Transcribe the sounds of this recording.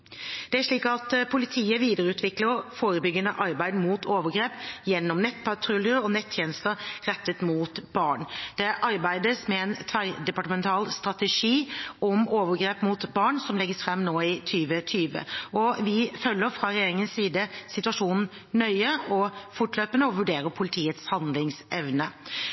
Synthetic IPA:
d̪̥ɛæɾʂɭiːkɑt̪pʰʊlɪt̪ʰiːəʋiːd̪əɾəʉːt̪ʋɪkləɾfoːɾəbʏɡːənəʔɑɾbæɪd̪muːt̪ʰoːʋəɾɡɾeːpjɛnːɔmnɛt̪ːpʰɑʈ̪ʰɾʉljəɾəɔnɛt̪ʰːjeːnəst̪əɾɾɛt̪ːət̪muːt̪bɑɳd̪̥ɛʔɑɾbæɪd̪əsmɛɛnt̪ʰʋæɾd̪ɛpɑʈəmɛnt̪ʰɑːlst̪ɾɑt̪ɛʂiːʔɔmoːʋəɡɾeːpmuːt̪bɑːɳsɔmlɛɡːəsfɾɛmːnoːɪt̪ʰyːʋət̪ʰyːʋə̰ɔʋɪfœlːəɾfɾɑɾɛjeːɾɪŋənssiːd̪əsɪt̪ʉɑʂuːnn̩ | nœʏəɔfʊʈløːpənəɔʋʉɖeːɾəpʰʊlɪt̪ʰiːət̪shɑnd̪lɪŋsʔɛʋnə

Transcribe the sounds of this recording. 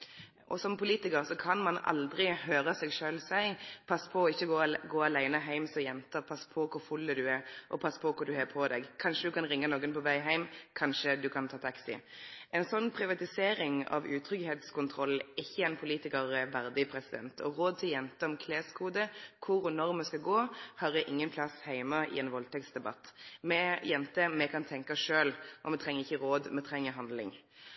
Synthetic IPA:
ʔɔsɔmpʰʊliːt̪ɪkəʁsɔkʰɑnmɑnɑ̰ld̪ʁɪhøːʁəsɛɡʂøːlsæɪpʰɑsːpʰɔːɪçːəɡoːɡoːɑlæɪnəɦæɪmsɔjɛnt̪əpʰɑsːpʰɔkʰʊʁfʉlːəd̪ʉæʔɔ̰pʰɑsːpʰɔkʰʊɾd̪ʉheːpʰɔd̪ɛ̰ɡkʰɑnʂəd̪ʉkʰɑnʁɪŋːənoːɡənpɔʋæɪɦæɪmkʰɑnʃəd̪ʉkʰɑnt̪ʰɑːt̪ʰɑksɪ̰ʔɛɪnsɔnːpʰʁɪʋɑt̪ɪseːɾɪŋɑ̰ʋʉːt̪ʰɾʏɡheːt̪skʰʊnt̪ʰʁɔlːɪçːəɛnpʰʊliːt̪ɪkəʁəʋæʁd̪ɪpʰʁɛsɪd̪ɛnt̪ʰɔʁoːd̪̚t̪ʰɪljɛnt̪əɔmkʰleːskʰuːd̪əkʰʊɾɔnɔʁmɛskɑɡoːhɑʁɛʔɪŋːənpʰlɑshæɪmɑɪ̰ɛnʋɔlt̪ʰɛktsd̪ɛbɑ̰t̪ːmɛjɛnt̪əmɛkʰɑnt̪ʰɛŋkɑʂøːlʔɔmɛt̪ʰʁɛŋːəʁɪçːəɾoːd̪mɛt̪ʰɾɛŋːəɦɑnd̪lɪ̰ŋ

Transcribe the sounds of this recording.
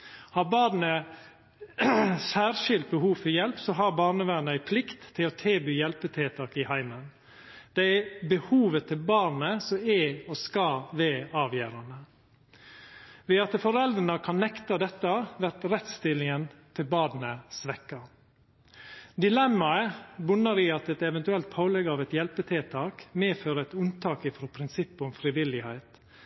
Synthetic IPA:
hɑːɾbɑːd̪n̩ə | sæːɾʃɪlt̪̚bəhuːʋfɔɾjɛlpsɔɦɑɾbɑːnəʋæːnəæɪpʰlɪkt̪ʰːɪloːt̪ʰeːbyːjɛlpət̪ʰɪlt̪ʰɑːkɪhæɪmən | d̪̥ɛæbəhuːʋət̪ʰɪlbɑːɾnəsɔɛːoskɑːʋeːɑːʋjøːɾɑnə | ʋɛːɑt̪əfɔɾɛld̪ɾənəkʰɑnnːɛkt̪ɑd̪ɛt̪ːɑʋæɾt̪ɾɛt̪st̪ɪlɪŋənt̪ʰɪlbɑːd̪nəsʋɛkːɑ | d̪ɪlɛmːɑəbʉnːəɾɪɑt̪ɛt̪ɛʋɛnt̪ʉɛlt̪̚pʰaʊlɛɡəɑːʋɛt̪jɛlpət̪ʰɪlt̪ʰɑːkmeːføːɾəɛt̪ʉnt̪ʰɑːkɪfɾoːpʰɾɪnsɪpːʊmfɾɪʋɪlɪhæɪt̪

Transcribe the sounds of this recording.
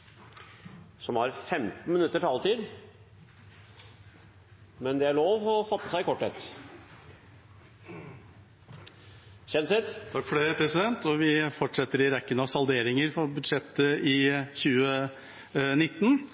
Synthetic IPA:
sɔmhɑɾfɛmt̪n̩mɪnʉt̪ːəʈhɑlt̪ʰiːd̪ | mɛnd̪ɛæɭoːʋɔfɑt̪ːəsæɪɪkʰɔʈːɛt̪ː | çɛnsɪt̪t̪ʰɑkːfɔɖɛpʰɾɛsɪd̪ɛnt̪ʰɔʋɪfɔʈʂɛt̪ːəɾɪɾɛkːənəɑʋsɑld̪eːɾɪŋəɾfɔbʉd̪ʂɛt̪ːəʔɪçʉːə | nɪt̪ːn

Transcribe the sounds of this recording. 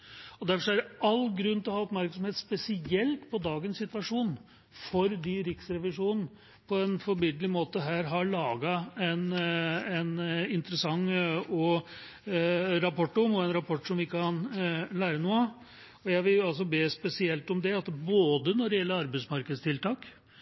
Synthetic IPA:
ɔd̪æɾfɔʂɔæɾɑlːɡɾʉnːt̪ɪlɔɦɑːɔpmæɾksɔmheːt̪spɛsɪɛlt̪pʰɔd̪ɑːɡənssɪt̪ʋɑʂuːn | fɔɾd̪iɾɪksɾɛʋɪʂuːnn̩ | pʰɔɛnfɔɾmɪd̪lɪmoːt̪əɦæːɾɦɑɭɑːɡɑɛnɛnɪnt̪ɾəsɑŋːɔ | ɾɑpʰɔʈːɔmɔɛnɾɑpʰɔʈːʂɔmʋɪɪkɑnlæːɾənuː | ɔjæɪʋɪlɑls̬ɔbeːspɛsɪɛlt̪ɔmd̪ɛɑt̪boːd̪ənɔɖɪjɛlːəɾɑɾbæɪsmɑɾkəd̪st̪ʰɪlt̪ɑːk

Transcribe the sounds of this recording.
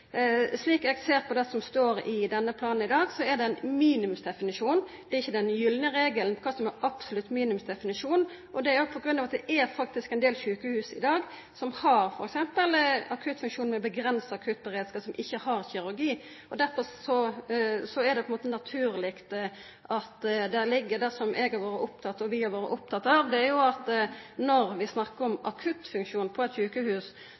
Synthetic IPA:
sliːkɛɡseːɾpʰɔd̪ɛsɔmst̪oːɾɪd̪ɛnːəpʰlɑːnn̩ɪd̪ɑːɡsɔɛʁd̪ɛæɪnmiːnɪʉmsd̪ɛfɪnɪʂuːnd̪̥ɛɾɪçːəd̪ɛnjʏlnəɾeːɡəlnpkʰɑsɔmɛɾɑpsʊlʉt̪ːmiːnʉmsd̪ɛfɪnɪʂuːn | ʔɔd̪ɛæɾjʊpʰɔɡɾʉnːɑʋɑt̪d̪ɛʔæɾfɑk̚t̪ɪskæɪnd̪eːlçʉːkəhʉːsɪ̰d̪ɑːɡ | sɔmhɑɾfɔɾɛksɛmpəlɑkʰʉt̪ːfʉŋkʃuːnmɛɔbəɡɾɛnsəɑkʰʉt̪̚ːbəɾeːd̪skɑːpsɔmʔɪçːəhɑʁçɪɾʉɾɡiː | ʔɔd̪æɾfɔɾsɔsɔæʁd̪ɛpʰɔɛnmoːt̪ənɑt̪ʰʉːɾlɪkt̪ | ʔɑt̪d̪ɛlɪɡːəd̪æʁsɔmʔɛɡhɑɾʋoːɾəʔʊp̚t̪ʰɑt̪ːɔʋɪhɑɾʋoːɾə̰ʔʊp̚t̪ʰɑt̪ːɑʋd̪ɛæɾjʊɑt̪nɔɾʋɪsnɑkːəɾɔmɑ̰kʰʉt̪fʉŋkʃuːnpʰɔɛt̪çʉːkəhʉːs

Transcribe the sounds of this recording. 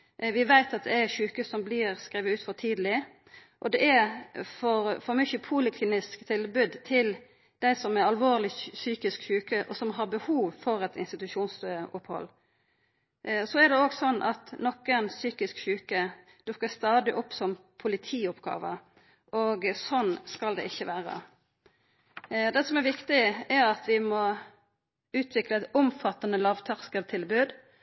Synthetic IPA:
ʋɪʋæɪt̪ɑt̪̚d̪ɛæçʉːkəsɔmblɪɾskɾiːʋəʉːt̪fɔt̪ʰiːd̪əlɪ | ʔɔd̪ɛʔæfɔɾfɔɾmʏçəpʰulɪkʰliːnɪskt̪ʰɪlbʉd̪t̪ʰɪl | d̪̥æɪsɔmæɾɑlʋoːlɪsyːkɪskçʉːkəʔɔsɔmɦɑɾbəhuːʋfɔɾɛt̪ʰɪ̰nst̪ɪt̪ʉʂuːnsʊphɔ̰lː | sɔɛɾɖ̪ɛoːɡsɔnːʔɑt̪nɔkːənsyːkɪskɕʉːkə | d̪̥ʉkːəst̪ɑːd̪ɪʔɔpːsɔmpʰʊlɪt̪ʰiːʊpɡɑ̰ːʋə | ʔoɡsɔnːskɑld̪ɛ̰ʔɪçːəʋæːɾə̰ | d̪ɛsɔmɛɾʋɪkt̪ɪɛɾɑt̪ʋɪmɔ | ʉːt̪ʰʋɪkləɛt̪ɔmfɑt̪ːɑnəlɑːʋt̪ʰɑʁskət̪ʰɪlbʉːd̪

